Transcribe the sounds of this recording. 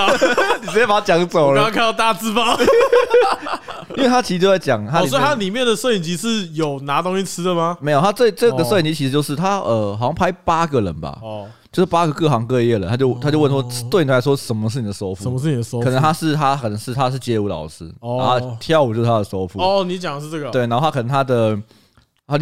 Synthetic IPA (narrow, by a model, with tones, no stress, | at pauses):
ni˨˩˥pa˨˩a˥t͡ɕjɑ˨˧˥ŋt͡so˨˩˨ʊlə˧˥˧kʰa˥˧˥t̪a˥˧t͡sɹ̩˥pɑ˥˨˥ | nwe˥˩ɪa˥t͡ɕʰi˧˥˧t͡ɕjo˧za˥˩ɪt͡ɕjɑ˨˩ŋt̪ʰa˥si˨wɔ˥i˨˩a˥li˨˩mjɛ˥˨˩nd̪ə˨˩sɤ˥˧˩i˨˩nt͡ɕi˧˥ʂɻ̩˥˩jo˨˩ʊna˧˥t̪o˥ŋɕi˧˩t͡sʰɻ̩˥d̪ə˨ma˨me˧˥ɪjnʰa˥˧t͡se˥˩ɪʈ͡ʂɤ˥˩ɡə˨˩sɤ˥˩i˨˩nt͡ɕi˧˥t͡ɕʰi˧˥ʂ̩˧t͡ɕo˥˧ʊʂɻ̩˥˩t̪ʰa˥ə˨xɕjɑ˥˩ŋpʰa˥ɪpa˥ɡə˨ɻə̰˧˦nba̰˨ | t͡ɕjo˥˧ʊʂɻ̩˥˩pa˥ɡə˨kɤ˥˩xɑ˧˥ŋkɤ˥˧i˥jɡə˨˩ə˦nt̪ʰa˥t͡ɕjo˥˧ʊt̪ʰa˥t͡ɕo˥˧ʊwə˥˩nʂwɔ˥t̪wnʰ˨˩˥ɪ˥wɔ˥ʂə˨˩nmə˧ʂ̬ɻ̩˥˩ni˨˩d̪ə˩so˥ʊfu˥ə˧˦mə˧ʂɻ̩˥˩i˨˩ə˧so˥kə˨˩ə˧˦nʰa˥ʂɻ̩˥˩t̪ʰa˥kʰə˨˩nə˧˦ŋʂɻ̩˥˩t̪ʰa˥ʂ̬ɻ̩˥˩t͡ɕjɛ˧˥u˧˥lɑ̰˨˩ʊʂɻ̩˥˧a˥˧t̪ʰjɑ˥˨˧ʊu˨˩t͡ɕo˥˧ʊʂ̩˥˩tʰa˥də˧ʂo˥ʊfu˥˧ɔ˩ni˧˥t͡ɕjɑ˨˩ŋʂ̩˥˧ʈ͡ʂɤ˥˩ɡə˨˩we˥˩ɪna˧˥o˥˩a˥kʰnə˧˦ŋt̪ʰa˥d̪ə˨ | a˥